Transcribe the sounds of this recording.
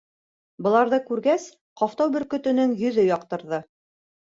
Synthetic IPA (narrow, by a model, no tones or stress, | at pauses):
bɤ̆lˠɑɾðɤkʉɾɡæs | qɑft̪ɑwbɵ̆ɾkɵ̆t̪ɵ̆nɵŋjɵ̆ðɵjɒq̚t̪ɤ̆ɾðɤ